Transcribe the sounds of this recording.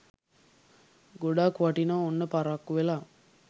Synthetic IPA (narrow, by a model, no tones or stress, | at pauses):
ɡoɖaːkuʋaʈinaonːəpaɾakːuʋela